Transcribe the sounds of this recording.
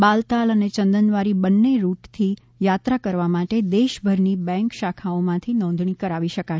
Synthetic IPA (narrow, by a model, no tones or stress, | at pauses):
balt̪alənet͡ʃə̃nd̪ənʋaɾibənːeɾuʈt̪ʰi | jat̪ɾakəɾʋamaʈed̪eʃbʱəɾnibɛ̃ŋkʃakʰaomãt̪ʰinɔ̃nd̪ʱɳikəɾaʋiʃəka